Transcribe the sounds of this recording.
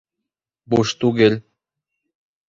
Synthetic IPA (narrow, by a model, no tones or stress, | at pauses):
buʃt̪uɡelʲ